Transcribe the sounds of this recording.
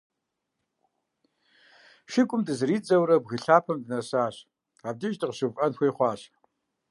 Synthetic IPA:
ʃɪkʷʼʊmdɨzɨɾiːt͡sʼɐwɾɐbɣɨɬaːpʰɐmdɨnɐsaːɕ | aːb̚diʒdɨqɕɨvʼɐnxʷeːχʷɑːɕ

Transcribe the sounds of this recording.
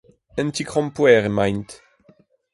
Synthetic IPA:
ə̃nt̪ikʁɔ̃mpwɛːʁemajnt̪

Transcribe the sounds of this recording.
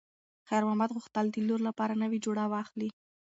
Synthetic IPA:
xajɾmɑmad̪ɣʊxt̪əld̪əloɾlapɑɾanəwid͡ʒoɽawɑxli

